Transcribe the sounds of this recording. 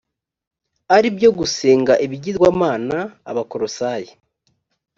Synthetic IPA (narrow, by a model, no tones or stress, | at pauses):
aɾibjo̞ɡuseːŋɡaʔiβiɟizɡwaːmaːna̰ːβako̞ɾosaje